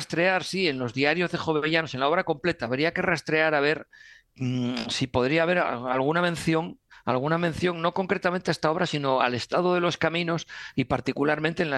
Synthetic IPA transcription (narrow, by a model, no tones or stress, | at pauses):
st̪ɾe̞aɾsie̞nlo̞zðiaɾjo̞zðe̞xo̞βeβeʝano̞se̞nlao̞β̞ɾako̞mple̞t̪aːβɾiake̞rast̪ɾe̞aɾaβ̞e̞ɾ | sipo̞ðɾiaβ̞e̞ɾalɣ̞unamẽ̞nθjo̞ŋa̰lɣ̞unamẽ̞n̟θjo̞ŋno̞ko̞ŋkɾe̞t̪ament̪eaest̪ao̞βɾasino̞a̰le̞st̪að̞oðe̞loskamĩno̞sipaɾt̪ikulaɾment̪en